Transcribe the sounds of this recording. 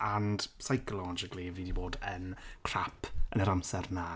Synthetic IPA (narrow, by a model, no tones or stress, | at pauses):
and̥sajkʰɔlˠɔd͡ʒɪkʰlˠiviːdiboːdənkʰr̥apʰənəɾamsɛrna